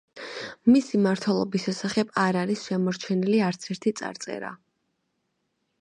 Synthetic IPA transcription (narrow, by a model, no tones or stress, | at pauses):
misimaɾt̪ʰwɛlˠɔ̰bisʃɛsaχɛbaɾaɾisʃɛmɔɾt͡ʃʰɛniliaɾt̪sʰɛɾt̪ʰit̪sʼa̰ɾt̪sʼɛ̰ɾa̰